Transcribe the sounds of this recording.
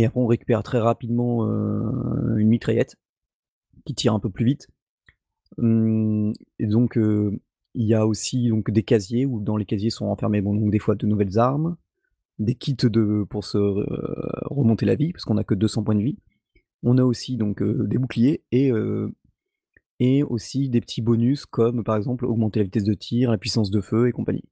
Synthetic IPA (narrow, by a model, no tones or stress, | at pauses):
eapχɛɔ̃ʁekʲy̥pɛʁt̪χɛʁapid̪mɑ̃ø̰ | ynmit̪χajɛt̪ | kʲit̪ʰiʁɛ̃pøplyvit̪ | m | ed̪ɔ̃kø | iljaosid̪ɔ̃kd̪ekazjeud̪ɑ̃lekazjesɔ̃ɑ̃fɛʁmebɔ̃d̪ɔ̃kd̪efwad̪ənuvɛlzaʁm | d̪ekʲʰit̪d̪əpuʁsə | ʁəmɔ̃t̪elavipḁʁskɔ̃nakəd̪øsɑ̃pwɛ̃d̪əvi | ɔ̃naosid̪ɔ̃kø̰d̪ebuklijeeø | eosid̪epə̥t̪ʰibɔnyskɔmpaʁɛɡzɑ̃plɔ̰ɡmɑ̃t̪elavit̪ɛs̬d̪ət̪ʰiʁlapɥisɑ̃s̬d̪əføekɔ̃pa̰ɲḭ